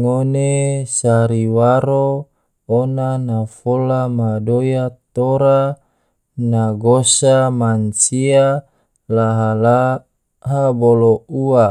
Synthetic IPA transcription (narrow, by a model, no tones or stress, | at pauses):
ŋonesaɾiwaɾoː | nanafolamadojat̪oɾa | naɡosamant͡ʃia | laɦala | ɦaboloua